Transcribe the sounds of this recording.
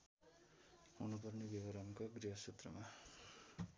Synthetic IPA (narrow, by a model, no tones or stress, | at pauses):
ɦunupʌrnebibʌɾʌŋkoɡriɦʌset̪rʌma